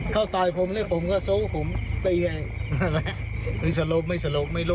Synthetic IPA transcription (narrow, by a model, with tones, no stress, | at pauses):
kʰa˥˩wt̪aː˧jpʰo˨˧˦mni˥˩pʰo˨˦mkɔː˥˩soː˦˥pʰo˩˦mp̪i˧ŋa˧˩jla˧˥ | nɯ˧˥˩sa˧lo˧˥p̚ma˥˩jsa˧lo˧p̚ma˥˩jloː˥˩